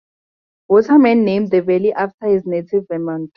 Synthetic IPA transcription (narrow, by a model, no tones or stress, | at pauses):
wɔtʰamɛ̃nːẽmdðəvɛliʔaftʰahiznetʰivɛmãnt